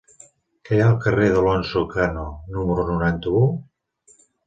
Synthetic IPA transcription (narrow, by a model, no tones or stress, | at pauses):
kɛjaəlˠkəreðəlɔnsukanonuməɾunuɾant̪əu